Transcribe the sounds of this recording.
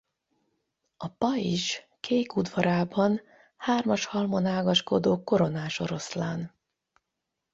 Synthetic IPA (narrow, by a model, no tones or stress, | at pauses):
ɒpɒiʃ | kʰeːkud̪vɒɾaːbɒn | haːrmɒʃhɒlmonaːɡɒʃko̞d̪oːko̞ɾo̞naːʃo̞̰ɾo̞slaːn